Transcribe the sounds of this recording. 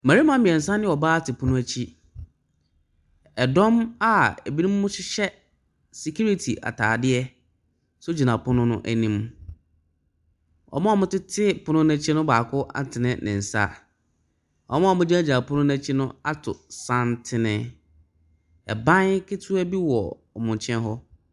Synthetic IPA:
mæ˨ɾi˦mã˦mĩ˨ɛ˨n̩˨sã˦nɪ̃˦ɔ˨baː˦tʰɪ˨pʰʊ˦nʊ̃˦æ˦t͡ɕʰi˦ | ɛ˨dɔ̃˦ma˨ɛ˨bi˦nĩ˦m˦mʊ̃˦ɕɪ˦ɕɛ˦ | si˨kʰu˦ɾi˦tʰi˨ʔa̰˨tʰa̰ː˨dɪ˦ɛ˦ | sʊ˦d͡ʑi˨nã˨pʰʊ˦nʊ̃˦nʊ̰̃˦ʔæ˨nĩ˦m | ɔ̰˨˦mã˦ɔ˨mʊ̃˦tɪ˦tʰɪ˦pʊ˦nʊ̃˦næ̃˦t͡ɕʰi˦nʊ̃˦baː˨kʰʊ˦ʔa̰˨n˨tʰɪ˨nɪ̃˦nɪ̰̃˨n̩˨sa̰˦˨ | ɔ̰˨˦mã˦ɔ˨mʊ̃˦d͡ʑi˦a˦d͡ʑa˨pʰʊ˦nʊ̃˦næ̃˦t͡ɕʰi˦nʊ̃˦a˦tʰʊ˨sã˦n˦tʰɪ˦nɪ̃˦ | ɛ̰˨bã˦n˦kʰɪ˦tʰu˦æ˦bi˦wɔ˨ | ɔ˨mʊ̃˨ɲ˨t͡ɕʰɛ̃˦nɦɔ˦

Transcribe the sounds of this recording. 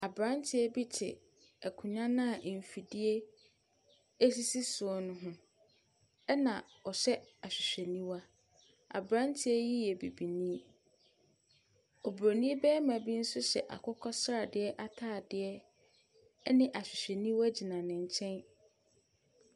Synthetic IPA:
a˨bɾã˦ntʰɪ˦ɛ˦bi˦tʰɪ̰˨ | ɛ˨kʰʊ̃˨ɲã˦nã˦˨ʔm̩˨fi˨dɪ˦e˦ | e˦si˦si˦sʊ˨ɔ˦nʊ̃˦ɦʊ̃˦ | ɛ˦nã˨ | ɔ˨ɕɛ˦a˨ɕᶣɪ˨ɕᶣɛ˨nĩ˦wa˦ | a̰˨bɾã˦ntʰɪ˦ɛ˦ji˦jɛ˨bi˨bi˨nĩ˦ | o˨bɾo˨nĩ˦e˦bɛː˦mã˨bi˦n̩˦sʊ˦ɕɛ̰˨ʔa̰˨kʰɔ˦kʰɔ˦sa˨dɪ˦ɛ˦ʔa˦tʰaː˦˨dɪ˦ɛ˦ | nɪ̃˦ʔa˨ɕᶣɪ˨ɕᶣɛ˨nĩ˦wa˦d͡ʑi˨nã˨nɪ̃˨ɲ̩˨t͡ɕʰɛ̃˦n

